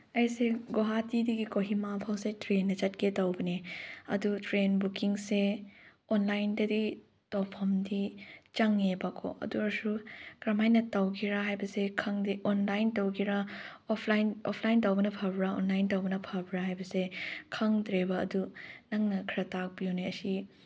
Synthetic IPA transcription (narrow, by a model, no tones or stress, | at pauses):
ɐjseɡoɦatidiɡikoɦimapʰawsetɾenːɐt͡ʃɐt̚ketɐwbɐneɐ̰dutɾenbukiŋseonlajndɐdi | towpʰɐmdit͡ʃɐŋebakʰo̰ʔɐ̰duɾɐsukɾɐmajnːɐtɐwkʰiɾaɦajbɐsekʰɐŋdiʔonlajntɐwkiɾaopʰlajnopʰlajntɐwbɐnɐpʰɐbɾao̰nlajntɐwbɐnɐpʰɐbɾaɦajbɐsekʰɐŋdɾebɐɐdunɐŋnɐkʰiɾɐtak̚bijowneɐsi